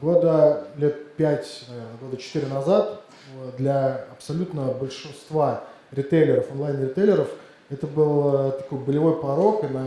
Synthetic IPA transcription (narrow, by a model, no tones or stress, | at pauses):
ɡo̞d̪əlʲe̞t̪̚pʲætʲnɐernəɡo̞d̪ət͡ɕɪ̥t̪iɾʲɪnɐzat̪ | d̪lʲɐɐpsɐlʲut̪nəbəlʲʂɨnst̪va | ɾʲɪt̪ejlʲɪɾəfonˠajnɾʲɪt̪elʲɪɾəf | ɛt̪əbɨlˠt̪ɐko̞jbəlʲɪvo̞jpɐɾo̞kɨnɐ